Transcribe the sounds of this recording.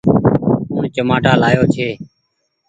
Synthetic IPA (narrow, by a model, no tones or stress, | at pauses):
ʊɳt͡ʃəmaːʈaːlaːjoːt͡ʃʰeː